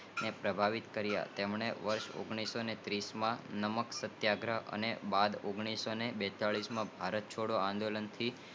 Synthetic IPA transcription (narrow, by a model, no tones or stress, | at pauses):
nepɾəbʱaʋit̪kəɾja̰t̪emɳ̃eʋəɾʃo̰ɡɳ̃isonet̪ɾismãnəməksət̪jaɡɾəə̰nebad̪oɡɳ̃isonebɛt̪aɭismãbʱaɾət̪̚t͡ʃʰoɽoãnd̪olənt̪ʰi